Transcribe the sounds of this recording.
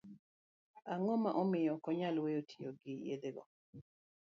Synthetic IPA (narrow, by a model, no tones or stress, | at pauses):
aŋɔmaʔɔmɪjɔkɔɲalweotʰijoɡɪjḛd̪eɡɔ̰